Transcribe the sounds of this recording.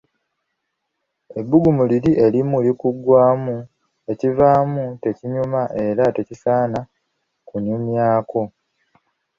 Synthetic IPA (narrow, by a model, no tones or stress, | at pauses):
e̞bːuɡumuliɾiʔe̞limulikuɡwaːmu | e̞civaːmute̞ciɲumaʔe̞ɾate̞cisaːna | kunumjaːkʰo̞